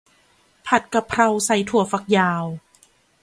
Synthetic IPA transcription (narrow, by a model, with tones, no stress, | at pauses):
pʰa˨˩t̪̚ka˧˩pʰːɾa˧wsa˨˩jt̪ʰu˨˩ɐ˦fa˧˩k̚jaː˧w